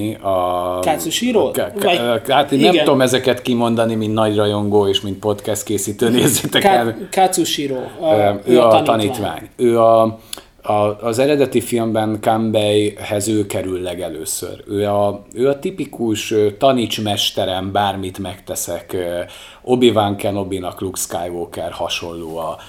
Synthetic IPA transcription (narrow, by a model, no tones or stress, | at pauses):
ɒkasuʃiɾok | at̪eːnɛmtnoomɛzɛkɛt̪kimo̞nd̪ɒnimint̪nɒɟrɒjo̞ŋɡoːeːʃmint̪̚po̞t̪kɛst̪̚keːsiːt̪øːneːzeːt̪ɛkɛnkat̪suʃiɾoːøːɒɒniːt̪ʋa̰ːɲøːɒ | ɒːzɛɾɛd̪ɛt̪ifilmbɛŋkambɛjhɛzøːkɛɾylːɛɡɛløːsø̰ɾøːɒøːɒt̪ipikuʃøt̪ɒniːt͡ʃmɛʃt̪ɛɾɛmbaːrmit̪mɛkt̪ɛsɛkː | o̞bivaŋkɛno̞binɒklukskaːjvoːkɛrhɒʃo̞lːoːɒ